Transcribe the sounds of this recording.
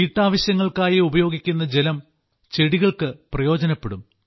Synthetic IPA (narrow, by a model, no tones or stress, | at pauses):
iːʈːaːʋɐɕjɐŋːɐɭkaːjiubɐjo̞ːɡikʲːunːɐd͡ʑelɐm | t͡ɕe̞ɽiɣɐɭkɨprɐjo̞ːd͡ʑɐnɐpːeɽum